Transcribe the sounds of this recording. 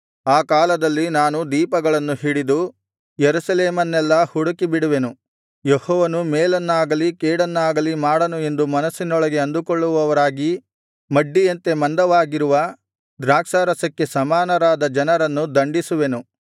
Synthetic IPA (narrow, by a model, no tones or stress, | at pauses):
aːkaːlɐd̪ɐlːinaːnud̪iːpɐɡɐɭɐnːuɦiɽid̪u | jeɾusɐleːmɐnːɛlːɐhuɽukibiɽuʋe̞nu | jehɔːʋɐnumeːlɐnːaːɡɐlikeːɽɐnːaːɡɐlimaːɽɐnue̞nd̪umɐnɐsːinɔɭɐɡe̞ɐnd̪ukɔɭːuʋɐʋɐɾaːɡi | mɐɖːijɐnt̪e̞mɐnd̪ɐʋaːɡiɾuʋɐ | d̪ɾaːkʂaːɾɐsɐkːe̞sɐmaːnɐɾaːd̪ɐd͡ʒɐnɐɾɐnːud̪ɐɳɖisuʋe̞nu